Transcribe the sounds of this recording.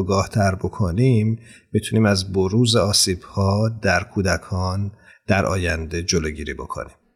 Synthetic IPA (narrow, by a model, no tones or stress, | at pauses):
ɡɒːht̪ʰæɾbo̞kʰonimː | it̪ʰuniːmæzboɾuːzeɒːsiːb̥hɒːd̪æɾkʰuːd̪ækʰɒːn | d̪̥æɾʔɒ̰ːjænd̪e̞d͡ʒoloːɟiːɾiːbo̞̰kʰo̰niːm